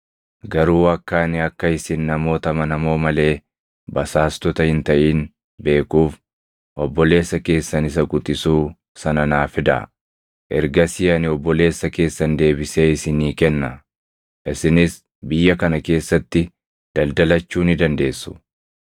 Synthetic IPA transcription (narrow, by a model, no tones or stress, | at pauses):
ɡɐɾuːɐkːaːnɪɐkːɐɪsɪnːɐmo̞ːt̪ɐmɐnɐmo̞ːmɐle̞ː | bɐsaːst̪ɔt̪ɐhɪnt̪ɐʔiːn | be̞ːkuːf | ʔɔbːɔle̞ːsːɐke̞ːsːɐnɪs̬ɐkʼʊt̪ʼɪsuː | sɐnɐnaːfɪd̪ɐ̰ | ʔɛɾɡɐsɪjɐnɪɔbːɔle̞ːsːɐke̞ːsːɐnd̪e̞ːbɪseːɪsɪniːkɛnːɐ | ʔɪsɪnɪs | bɪjːɐkɐnɐke̞ːsːɐt̪ːɪ | d̪̥ɐld̪ɐlɐt͡ʃːuːnɪd̪ɐnd̪e̞ːsːʊ̥